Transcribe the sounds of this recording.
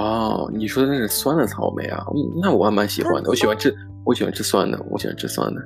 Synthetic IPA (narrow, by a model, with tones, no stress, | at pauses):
ɔ˥˩ni˨˩ʂwɔ˥d̪ə˧na˥˩ʂɻ̩˥˩swa˥nd̪ə˨˩t͡sʰɑ˨˧˥ʊmḛ˧˥ɪa̰˨˩n̩˥˩na˥˩wɔ˨˩wa˥nma˧˥nɕi˨˩xwa̰˧˥nd̪ə˨wɔ˧˥ɕi˨˩wa˧˥nʈ͡ʂɻ̩˥˩ | wɔ˧˥ɕi˨˩wa̰˧˥n˥ʈ͡ʂɻ̩˥˩swa˥nd̪ə̰˩wɔ̰˧˥ɕḭ˨˩wa̰˧˥ʈ͡ʂɻ̩˥˩swa̰˥nd̪ə˩